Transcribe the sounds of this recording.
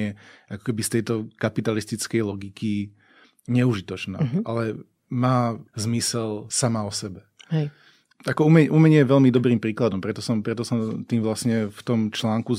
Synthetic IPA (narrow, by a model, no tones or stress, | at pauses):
ɛʔakɔ̥kɛbist̪ɛjt̪ɔkapit̪alist̪it͡skɛjlɔɡikʰi | ɲɛuʒit̪ɔt͡ʃna̰ʔalɛ | maːzmisɛlsamaɔsɛbɛhɛ | akɔumɛɲɛʔumɛɲɪɛjɛʋɛʎmid̪ɔbɾiːmpɾiːklad̪ɔmpɾɛt̪ɔsɔmpɾɛt̪ɔsɔmt̪iːmʋlasɲɛft̪ɔmt͡ʃlaːŋku